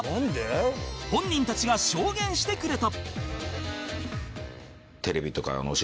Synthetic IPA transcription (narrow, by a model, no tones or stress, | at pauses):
nand̪ehõ̞ɲ̟ːĩnt̪at͡ɕiɡaɕo̞ːɡẽ̞ɰ̃ɕi̥t̪e̞kɯ̟ɾe̞t̪a | t̪ʰe̞ɾe̞bʲit̪o̞ka̰ɾa̰noɕ